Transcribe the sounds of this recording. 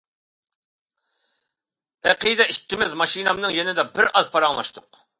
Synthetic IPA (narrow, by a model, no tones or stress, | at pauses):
ɛqijd̪ɛikʲːimɪzmɑʃinɑmnɨŋjenɪd̪ɛbɪɾɑzpʰɑɾɑŋmˠɑ̰ʃt̪ʰʊq